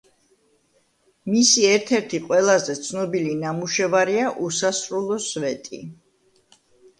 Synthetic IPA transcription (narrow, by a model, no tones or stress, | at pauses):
misiɛɾt̪ʰɛɾt̪ʰiqʼwɛlˠazɛt̪sʰnɔbilinamuʃɛvaɾiaʔusasɾulˠɔsvɛt̪ʼḭ